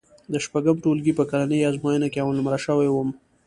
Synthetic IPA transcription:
d̪əʃpaɡəmʈolɡipəkalanəjazmajənakeawalʊmɾaʃəwajwəm

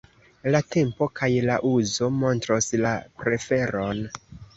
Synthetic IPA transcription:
late̞mpo̞kʰajlaʔuzo̞mo̞ntɾoslapɾe̞fe̞ɾo̞n

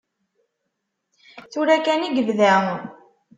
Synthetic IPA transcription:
θuɾækæniɡəvðæʁ

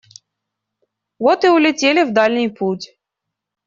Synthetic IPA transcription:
vɔt̪ɨʊlʲɪtʲelʲɪvd̪alʲnʲɪjputʲ

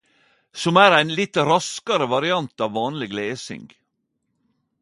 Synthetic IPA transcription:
sɔmæːɾæɪnlɪt̪ɾɑskɑɾəʋɑɾɪɑnt̪ɑːʋːɑːnlɪɡleːsɪ̰ŋɡ

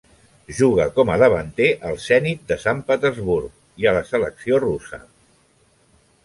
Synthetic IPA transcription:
ʒuɣ̞əkɔmələβənt̪eʔəlˠsɛnit̪̚d̪əsampət̪əzβuɾk | iələsələksiorusə̰

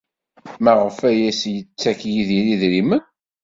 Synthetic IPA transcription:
mæʁəfæjæsjət͡sːækjiðiniðɾimən

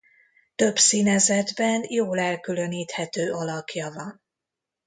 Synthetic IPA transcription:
t̪ø̞bsiːnɛzɛd̪bɛnjoːlɛlkylø̞niːt̪hɛt̪øːʔɒlɒkjɒvɒn

